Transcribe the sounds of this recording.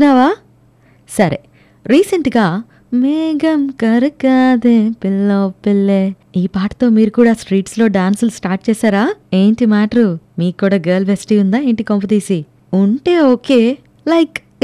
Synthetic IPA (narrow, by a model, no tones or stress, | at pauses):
naːʋaː | sɐɾe | ɾiːseɳʈɡaː | meːɡɐmkɐɾukaːd̪epilːoːpilːeː | iːpaːʈɐ̥t̪o̞ːmiːɾukuːɽaːsʈɾiːʈslo̞ːɖaːnsulsʈaːɾʈ̚t͡ʃɛːsaːɾaːeːɳʈimaːʈɐɾumiːkːuːɽaːɡeːlbʱesʈiːund̪aːeːɳʈikomp̬ɐd̪iːsi | uɳʈe̞ːoːke̞ː | lɐjk